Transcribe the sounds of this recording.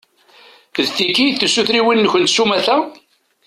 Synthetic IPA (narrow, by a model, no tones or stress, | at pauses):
ðθikːiθusuθɾiwinːçənt̪ʃumæθæ